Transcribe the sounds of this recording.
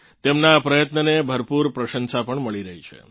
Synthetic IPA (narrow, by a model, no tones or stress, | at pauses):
t̪emnaːpɾəjət̪nənebʱəɾpuɾpɾəʃənsapəɳməɭiɾəɦit͡ʃʰḛ